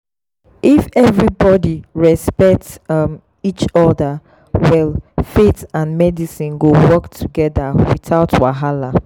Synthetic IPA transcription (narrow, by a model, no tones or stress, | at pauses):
ʔifɛvɹibɔdiɹɛspɛk̚tm | it͡ʃɔda | wɛlfetãnmɛdisĩnɡowɔktʰuɡɛðawiθaʊtwaɦala